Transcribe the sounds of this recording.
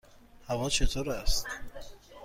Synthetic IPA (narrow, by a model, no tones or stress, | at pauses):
havɔt͡ʃʰet̪ʰoɾast̪